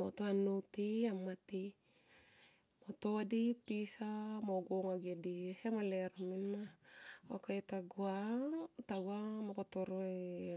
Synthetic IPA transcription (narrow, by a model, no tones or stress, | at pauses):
mot̪oanut̪iamːat̪i | mot̪odipisamoɡoŋaɡediesiamaleɾominaokait̪aɡuat̪aɡwamokot̪oɾoe